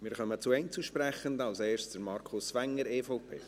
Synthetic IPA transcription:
mɪːɾχœmət͡suɛɪnt͡suʃprɛχəndɑlseːɾstd̥əɾmɑɾkʰʊsvɛŋːəɾeːfɔʊpʰḛː

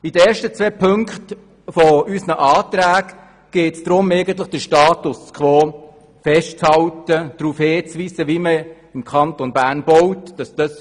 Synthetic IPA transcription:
id̥əeːɾʃtət͡sʋɛpʰɵŋkχt | fɔysnəʔɑːt̪ɾæːɡ | ɡ̥eːtsd̥ɾʊmeɪɡən̩t̪̬ləχd̥əʃtɑːtʊskχʋoː | fɛʃtt͡shɑwtəd̪̥ɾuːfheːt͡sʋiːsəʋimə | ɪmkʰɑntɔnbæːnb̥ɔwtd̥ɑsd̥ɑs

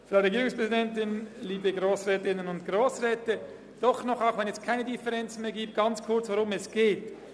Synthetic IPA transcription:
faɾeɡiːɾɪŋspʁɛzidɛntɪnliːbəɡɾoːsɾɛːtɪnənʊntɡ̥ɾoːsʁɛːtə | d̥ɔχnɔχaʊxvɛnɛskʰaɪnədifəʁɛnt͡sn̩meːɐɡiːp̚t̚ɡ̥ɑnt͡skʰʊɐt͡svoɾʊmɛsɡ̥eːt

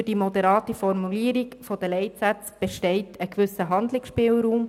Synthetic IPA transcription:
d̥imɔd̪ɛɾɑːtifɔɾmuliəɾiɡfod̥̪əlɛɪtsæt͡sb̥ɛʃtɛɪtʰəkʋʏsəɦɑnd̪lɪksʃpɪːlɾuːm

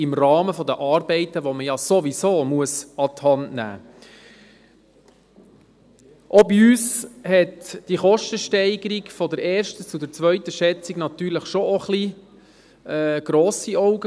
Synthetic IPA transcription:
ɪmrɑːməfɔdəʔɑːɾbɛɪt̪əʋoməjɑsoʋisoːmuəsɑt̪hɑntnæ̰ː | ʔobiyːshɛtd̥iχɔʃtəʃtɛɪɡ̥əɾiɡfɔdəɾɛːɾʃtət͡sudəɾt͡sʋœʏt̪əʃɛt͡siɡnɑt̪yːɾləχʃoʔoχli | ɡ̥ɾɔːsiɔʊɡə

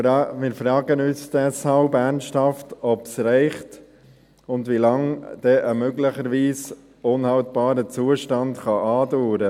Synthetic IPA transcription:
mɪːɾfɾɑːɡənyːsd̥ɛshɑlbæɾnsthɑftɔpsɾɛɪχt | ʊndʋilɑŋd̥ɛʔəmøɡləχəɾʋiːs | ʊnhɑltb̥ɑːɾət͡suːəʃtɑndχɑʔɑːduːɾə

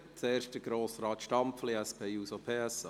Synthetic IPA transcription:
t͡seːɾʃtəɡɾoːsɾɑːtʃtɑmpfliɛspʰeːuːsopʰeːɛs

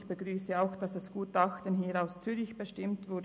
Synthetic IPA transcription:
b̥əɡʁyːsəaʊxd̥ɑsɛsɡ̥uːtɑxtənɦiːɾaʊst͡syːɾɪçb̥əʃtɪmtv̥ʊd

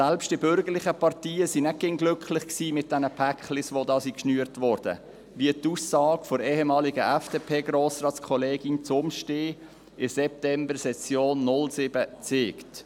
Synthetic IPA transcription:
sɛlpʃt̚d̥ɪbʏɾɡəɾlɪχəpɑrtiːəsinɛɡ̥ɪŋɡlʏkχlɪχksiːmɪt̚d̥ɛnəpʰækχlɪsʋodɑːsikʃnyəɾtvɔɾd̥ə̰ | viətusːɑːɡfɔɾeːɦɛmɑːlɪɡəʔɛfd̥epʰeːɡɾoːsrɑːt͡skʰχɔleːɡint͡sʊmʃteː | ɪsɛp̚tɛmbəɾsɛsjoːnːʊlsɪb̥ət͡seːkt

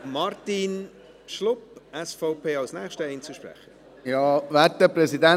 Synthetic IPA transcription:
mɑrtin | ʃlʊpɛsfɔʊpʰeːɑlsnɛːχʃtəɛɪnt͡suʃprɛ̰χə | jɑːvɛtːəpɾɛsidɛ

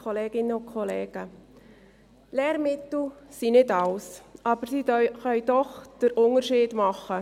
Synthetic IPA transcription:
ɔleːɡ̥ɪnəʊnkʰɔleːɡ̥ə | lɛːɾmɪt̪l̩sinɪdɑʊsʔɑbəɾsiχœʏd̥̪ɔχd̥əɾʔʊŋəɾʃiːd̥mɑχːə

